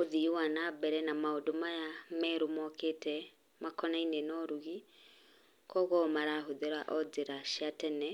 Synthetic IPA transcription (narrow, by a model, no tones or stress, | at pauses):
oðiwanabɛɾɛnamaodomajamɛɾomɔketɛ | makʰɔnainenɔɾuɣi | kɔɣɔmaɾaɦoðeɾaʔɔd͡zeɾaʃatɛnɛ